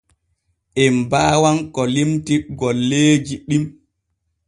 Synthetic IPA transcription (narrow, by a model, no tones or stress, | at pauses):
ʔɛmbaːwankɔlimtiɡɔlːeːd͡ʒiɗim